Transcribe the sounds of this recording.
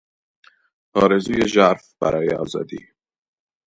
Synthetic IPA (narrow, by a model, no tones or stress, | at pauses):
pʰɒːɾezuːjeʒæɾfb̥æ̰ɾɒːjeɒːzɒ̰ːd̪ḭː